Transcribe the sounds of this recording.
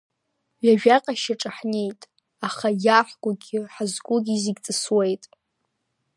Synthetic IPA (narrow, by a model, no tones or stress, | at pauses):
ɥaʒᶣaqʼaʃaʈ͡ʂʼaħne̞jtʼ | aχajaħɡʷʼʊɡʲɪħazɡʷʼʊɡʲiziɡʲt͡sʼɨswejtʼ